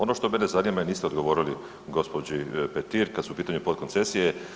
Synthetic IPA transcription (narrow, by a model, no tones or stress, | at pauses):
o̞no̞ʃt̪o̞menezanimajeniːst̪eo̞d̪ɡo̞ʋo̞ːɾili | ɡo̞spo̞d͡ʑipet̪iɾkad̪suupiːt̪aɲupo̞t̪̚kont̪se̞sije